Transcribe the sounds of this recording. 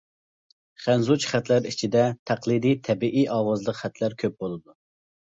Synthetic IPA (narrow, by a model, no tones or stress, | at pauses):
χænzut͡ʃχæt̪læɾit͡ʃʰid̪ɛt̪ʰæqlˠɨd̪ijt̪ʰɛbiʔijʔɑːwɑzlˠəqχæt̪ʰlæɾkʲʰøp̚b̥olˠɨd̪u